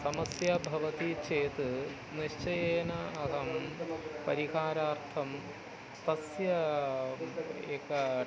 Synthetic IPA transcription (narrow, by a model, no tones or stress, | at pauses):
sɐmɐsjɐbʱɐʋɐt̪it͡ɕeːt̪ɨ | niɕt͡ʃɐjeːnɐːɦɐmpɐɾiɦaːɾaːrt̪ʰɐm | t̪ɐsjɐ | eːkːɐ